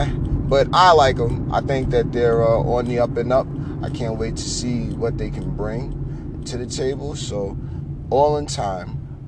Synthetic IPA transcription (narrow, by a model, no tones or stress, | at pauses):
b̥ʌɾaɪlaɪkə̃mʔa̰ɪθɪ̃ŋk̚ðɨt̪̚ðə˞ʌʔə̃nðiʌpɨ̃nʌp̚ | ʔaɪkʰæ̃nʔweɪtʰɨ̥siwʌt̪̚ðeɪkʰɨ̃nbɹɪ̃ŋ | tʰɨðɨtʰeɪbl̩ˠsoʊ | ʔɔlˠə̃ntʰãɪ̃m